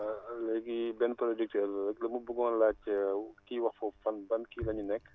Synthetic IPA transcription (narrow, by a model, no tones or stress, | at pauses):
lɛɡibɛnpɾod͡ʒik̚tɛllɐklɐmubuɡɔːnlaːcːəkiːwɐxfɔfɐnbɐnkilɐɲunɛkː